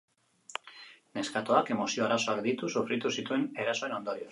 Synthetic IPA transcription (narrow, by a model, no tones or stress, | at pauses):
ne̞skat̪oake̞mo̞sio̞aɾaso̞akd̪it̪usufɾit̪usit̪ue̞ne̞ɾaso̞eno̞nd̪o̞ɾio